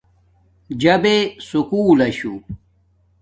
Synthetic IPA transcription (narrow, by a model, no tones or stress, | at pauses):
d͡ʑɐbesukuːlɐɕṵ